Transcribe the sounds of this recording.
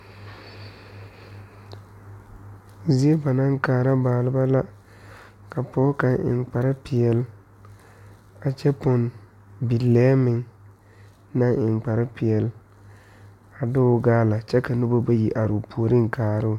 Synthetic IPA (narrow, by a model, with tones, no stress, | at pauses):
zi˦e˦ba˨na˦ŋkaː˨ɾa˦baː˨lɪ˨ba˦la˦ | ka˨pɔː˦ka˨ɪ̰˨ŋk͡pa˨ɾɪ˦pɪ˨ɛ˨l | a˨t͡ʃɛ˦pɔ˨n | bi˨lːɛː˦mɪ˨ŋ | na˦ŋɪ˨ŋ͡mk͡pa˨ɾɪ˦pɪ˨ɛ˨l | a˨dʊ˦ʊ˨ɡaː˦la˨t͡ʃɛ˦ka˨nʊ˦ba˦ba˦ji˨ʔa˨ɾʊ˨pʰu˨o˨ɾɪ˦ŋ˨kaː˨ɾʊ˦˨